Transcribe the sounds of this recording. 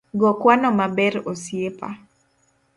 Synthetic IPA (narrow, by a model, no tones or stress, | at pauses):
ɡɔkwanɔmabɛɾosjepa̰